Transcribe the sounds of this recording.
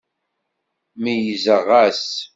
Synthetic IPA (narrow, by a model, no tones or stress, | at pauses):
mijəzəʁæs